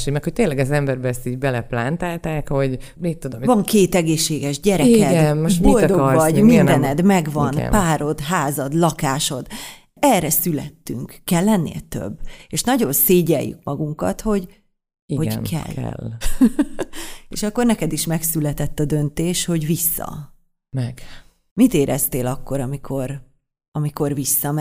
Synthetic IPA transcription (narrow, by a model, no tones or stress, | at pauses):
ʃemɛkhoc̚t̪eːnlɛɡɒzɛmbɛɾbɛɛst̪iːɟbɛlɛplaːnt̪aːlt̪aːkho̞ɟ | mitt̪ːud̪omvɒŋkeːt̪ɛɡeːʃːeːɡɛʒɟɛɾɛikɛɡdɛnobold̪oɡvɒɟminnɛnɛd̪mɛɡvɒnɡ̪̰paːɾo̞d̪ɦaːzɒd̪lɒkaːʃo̞d̪ | ɛrːɛsylɛ̰t̪ːyŋkkːɛlːɛnːḛːt̪ø̰bːeːʃnɒɟo̞nseːɟɛ̰jːy̰k̚mɒɡuŋkɒ̰t̪ho̞ɟ | iho̞ɟnkʰɛ̰lːɛ̰l | ḛːʃɒkːo̞rnɛkɛd̪iʃmɛksylɛt̪ɛt̪ːɒd̪ø̞nt̪eːʃho̞ɟvisːɒ̰ | mɛɡ̥ | mit̪eːɾʔɛ̰st̪eːlɒkːo̞ɾɒmikʰo̞r | ɒmiko̞rvisːɒm